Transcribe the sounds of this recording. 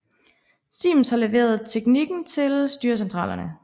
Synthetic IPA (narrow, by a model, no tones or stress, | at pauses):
sḭːmshɑ̈leʋe̝̰ːɐð̞ˠt͡sʰeɡ̥niɡ̥n̩t͡sʰe̝lsd̥yːɐs̬ent͡sʰʁɑ̰ːlɐnə